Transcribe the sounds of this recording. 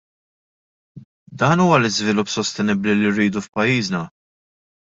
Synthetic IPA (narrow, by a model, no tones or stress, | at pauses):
d̪ɐːnuːwɐlɪzvɪlʊpːsɔst̪ɛnɪbliliɾːiːd̪ufpɐjːiːznɐ